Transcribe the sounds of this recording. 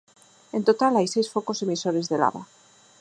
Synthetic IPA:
e̞nt̪ot̪alajsejsfoko̞semisoɾe̞zðela̰βa̰

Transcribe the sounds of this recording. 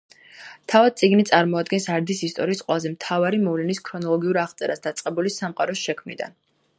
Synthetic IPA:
t̪ʰavad̪̚t̪sʼiɡnit̪sʼaɾmɔad̪ɡɛnsaɾd̪isist̪ʼɔɾiːsqʼwɛlˠazɛmt̪ʰavaɾimɔvlɛniskʰɾɔnɔlˠɔɡiuɾaχt̪sʼɛɾasd̪at̪sʼqʼɛbulisamqʼaɾɔsʃɛkʰmnid̪a̰n

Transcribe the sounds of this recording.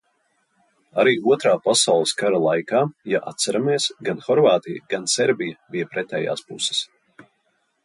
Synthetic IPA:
aɾiːuɔt̪ɾaːpasawlˠəskaɾalˠajkaːjaʔa̰t̪̚saɾameɛsɡanxɔɾvaːt̪ijaɡ̥ansɛɾbijabijapɾɛt̪ɛːja̰ːspusɛ̥s

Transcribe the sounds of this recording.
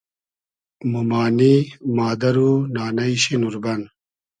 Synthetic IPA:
mumaːnimaːd̪ɐɾunaːnɐiɕinuɾbɐn

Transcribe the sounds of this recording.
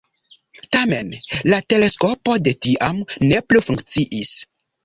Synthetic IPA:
tame̞nlate̞le̞sko̞po̞de̞tiʔamne̞plufuŋkt͡siʔis

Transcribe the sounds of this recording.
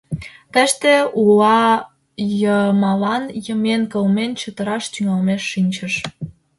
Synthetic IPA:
t̪əʃt̪eulɑ | jəmɑlɑnjəmenkəlment͡ɕət̪ə̆ɾɑʃt̪yŋɑlmeʃːinʲt͡ɕəʃ

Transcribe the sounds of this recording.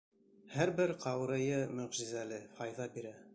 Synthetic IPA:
hæɾbɘɾqʰɑw̆ɾɤ̆jɤmɵ̆ʁʒizælɘhɑjðɑbiɾæ

